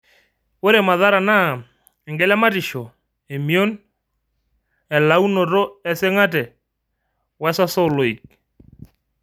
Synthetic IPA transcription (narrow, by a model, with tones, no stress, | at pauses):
wo˦ɾe˨ma˨ða˦ɾa˨na˦˨ | ɛ˨ŋɡɛ˦lɛ˦ma˦tɪ˨ʃo˨ | e˨mi˦o˦n | ɛ˨la˨˦u˦no˨ɾo˦ɛ˨sɪ˦ŋa˦t̬ɛ˨ | wɛ˦sa˦so˦˨lo˨i˨k̚